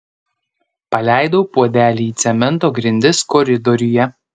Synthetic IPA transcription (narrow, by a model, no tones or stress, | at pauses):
pɐlʲæˑɪd̪oʊpuɔd̪ʲæːlʲiːiːt̪sʲɛmʲɛnˑt̪oːɡɾʲɪnʲd̪ʲɪskɔɾʲɪd̪ɔɾʲɪjɛ